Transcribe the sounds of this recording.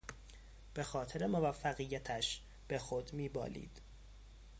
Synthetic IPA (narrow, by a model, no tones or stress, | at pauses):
b̥e̞xɒːt̪ʰeɾemovæfːæɣijːæt̪ʰæʃ | b̥e̞xod̪miːbɒ̰ːlḭːd̪̥